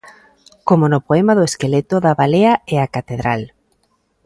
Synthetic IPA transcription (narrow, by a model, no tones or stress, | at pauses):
komonopoemaðoeskelet̪oðaβaleaeakat̪eðɾal